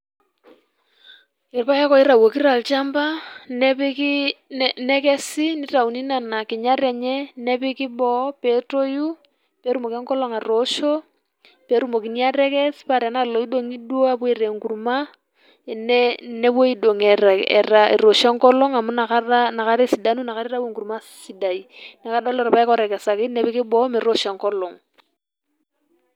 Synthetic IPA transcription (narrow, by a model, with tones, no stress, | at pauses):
ɪ˨ɾpa˦ja˦kɔ˨ɪ˦ɾa˨wo˨ki˦ɾa˨lt͡ʃa˦mba˦nɛ˦pɪ˦ki˦nɛ˦kɛ˦sɪ˦ni˦ta˨u˨ni˦na˨na˨kɪ˨ɲa˦ɾɛ˨ɲɛ˦nɛ˦pɪ˦kɪ˦bɔ˦pe˦to˦ju˦ | pe˦ɾu˦mo˨kɛ˦ŋkɔ˦lɔ˦ŋa˨ɾo˨˦ʃo˦ | pe˦ɾu˦mo˨ki˨ni˦a˦ɾɛ˦kɛ˦spa˦˨ɾɛ˨na˦lɔ˨i˦do˦ŋi˦dwa˦pu˦i˨ɾe˨ŋku˨ɾuma˦ | ɪ˨ne˦ne˦bwe˦i˦do˨ŋɛ˨ɾa˨ɛ̰˨ra˦ḭ˨ɾo˨ʃɛ˦ŋkɔ˦lɔ˦ŋa˨mʊ˦na˨aana˨ka˦ɾɛ˦si˨da˦nu˦na˨ka˦ɾi˦ɾa˦be˦˨ŋku˨ɾuma˦ | si˨da˨i˨na˨ka˦dɔ˦lɔ˦ɾɔ˨pa˦ɛ˦kɔ˦ɾɛ˨kɛ˨sa˨kɪ˦nɛ˦pɪ˦kɪ˦bɔ˦mɪ˨ɾo˦ʃɛ˨ŋkɔ˦lɔ˨ŋ